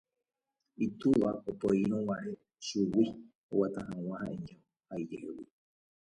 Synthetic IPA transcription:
it̪uʋaopoiɾ̃õwaɾe | ʃuwi | owat̪aɦãw̃ãhãʔẽɲa | haid͡ʒehewi

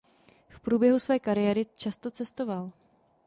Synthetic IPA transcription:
fpɾuːbjɛɦusvɛːkaɾɪjɛɾɪt͡ʃast̪o̞t͡sɛst̪o̞val

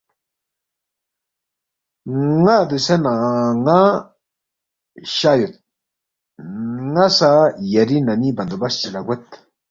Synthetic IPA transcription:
ŋad̪usenaŋa | ɕajut̪̚ | ŋasajɐɾinɐnibɐnd̪obɐst͡ɕilaɡet̪

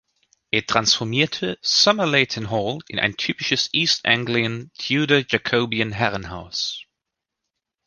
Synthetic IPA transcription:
ʔeːɐtʰʁ̥ansfɔɐmiːɐtʰəsʌməleɪtʰənɦɔːlɪ̰nʔa̰ɪntʰyːpɪʃəsʔiːstæ̰̃ŋɡliəntʰjuːɾod͡ʒakʰoʊbiə̃nɦɛʁənɦa̰ʊs

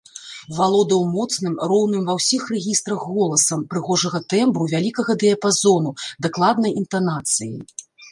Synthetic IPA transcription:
valˠɔd̪ɐwmɔt̪snɨmrɔwnɨmvɐwsʲixrɛɣʲist̪ɾɐɣːɔlˠɐsɐmpɾɨɣɔʐɐɣɐt̪ɛmbɾuvʲalʲikɐɣɐd̪ɛjɐpazɔnud̪aklˠad̪nɐjint̪anat̪sɨjḭ

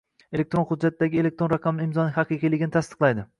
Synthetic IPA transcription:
elek̚t̪ɾo̞nχʊd̪d͡ʒːat̪̚ːd̪aɡʲɪe̞lek̚t̪ɾonɾɑqʰɑmɪɪmzɒnɪhɑqɨqijlɪɡʲɪnɪt̪ʰast̪ɨ̥qlˠajd̪ɪ

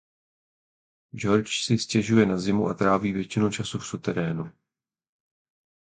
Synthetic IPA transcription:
d͡ʒo̞ɾt͡ʃsɪscɛʒujɛnazɪmuʔat̪ɾaːviːvjɛt͡ʃɪnut͡ʃasufsut̪ɛɾɛːnu

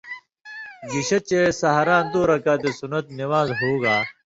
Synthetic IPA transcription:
ɡiɕɐt͡ɕesɐɦɾãːnd̪oːɾɐkaːt̪esunɐt̪niwaːzɦoːɡaː

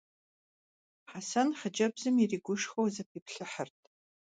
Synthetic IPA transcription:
ħasanħəd͡ʒɐbzɨmiriːɡʷʊʂxowzɐpʰiːpʰɬɨħərtʰʼ

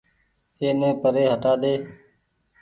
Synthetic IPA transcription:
eːnẽːpəɾeːɦəʈaːd̪eː

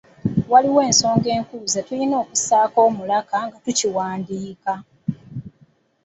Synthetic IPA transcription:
waliwe̞ːnso̞ːŋɡe̞ːŋkuzatulino̞ːkusaːko̞ːmulakaŋɡatuciwaːndiːka

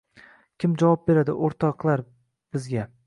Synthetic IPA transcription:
kʲʰɪmd͡ʒavɒp̚be̞ɾad̪ɪʔoɾt̪ʰɒqlˠaɾ | b̥ɪzɡʲa

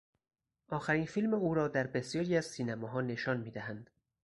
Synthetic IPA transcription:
ʔɒːxæɾiːnfiːlmeuːɾɒːd̪æɾbesjɒːɾiːæz̥siːnæmɒːɦɒːne̞ʃɒːnmiːd̪æɦænd̪̥

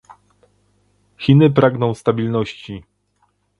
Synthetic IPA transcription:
xʲinɘpɾaɡnɔ̃w̃st̪abʲilnɔɕt͡ɕi

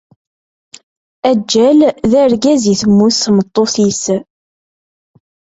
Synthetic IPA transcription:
æd͡ʒːælðæɾɡæziθəmːusmət̪ˤːoθis

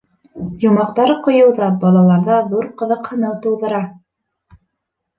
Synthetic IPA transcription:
jŏmɑqt̪ɑɾqŏjɤ̆wðɑbɑlˠɑlˠɑɾðɑðuɾqɤ̆ðɤ̆qhɤ̆nɤwt̪uwðɤ̆ɾɑ

